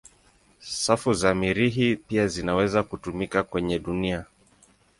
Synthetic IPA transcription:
safuzamiɾiɦipiazinawɛzakutumikakwɛɲɛɗunia

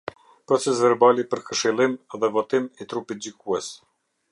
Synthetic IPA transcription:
pɾɔt͡sɛs̬vɛɾbalipəɾkəʃilˠimɛðɛvɔt̪imit̪ɾupit̪̚d͡ʑikuɛs

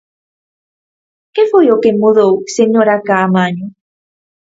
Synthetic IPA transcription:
kefojokemuðowseɲoɾakaːmaɲu

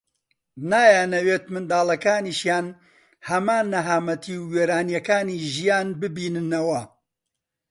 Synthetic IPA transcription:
naːjaːnɐweːt̪mɨnd̪aːlɐkaːniːʃjaːn | hɐmaːnːɐɦaːmɐt̪ʰiwweːɾaːnjɐkaːniːʒijaːnbɨbiːnɨnɐwɐ

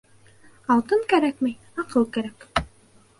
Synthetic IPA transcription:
ɑlˠt̪ɤŋkæɾæk̚mæj | ɑqʰɤlˠkæɾæk

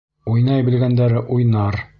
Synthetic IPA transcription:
ujnɑjbɘ̆lɡænd̪æɾɘʔujnɑɾ

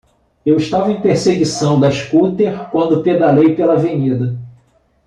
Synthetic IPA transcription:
ewiʃt̪avɐẽj̃peɾseɡisɐ̃w̃d̪ɐiʃkut̪eɾkwɐ̃nd̪ʊped̪alejpelɐaveɲid̪ɐ

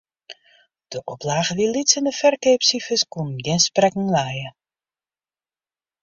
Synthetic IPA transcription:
d̥əʔɔplaːɣəʋilitsənəfɛrkeːpsifəskunnɡɪnsprɛkŋ̩lajə

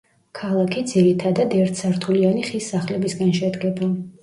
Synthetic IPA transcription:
kʰalˠakʰid̪ziɾit̪ʰad̪ad̪ɛɾt̪ʰsaɾt̪ʰulianiχisːaχlɛbisɡanʃɛd̪ɡɛba

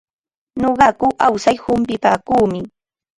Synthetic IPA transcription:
ɲoɢɑkʊʔawsajhʊmpɪpaːkuːmɪ

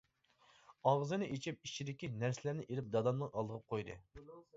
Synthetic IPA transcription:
ɑʁzɨnɨʔet͡ʃʰip̚it͡ʃʰid̪ɪkʲinæɾsɪlæɾnɪʔelɪp̚d̪ɑd̪ɑmˠɨŋɑlˠd̪əʁəp̚qʰojd̪ɨ̰

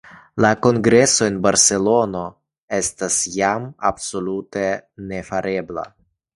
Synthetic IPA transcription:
lako̞ŋɡɾe̞so̞enbaɾse̞lo̞no̞ | e̞stasjama̰bso̞lutene̞faɾʔe̞bla̰

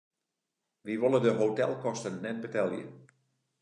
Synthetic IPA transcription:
ʋiʋolˠədəɦotɛlˠkɔstənːɛt̚bətɛlˠjə̰

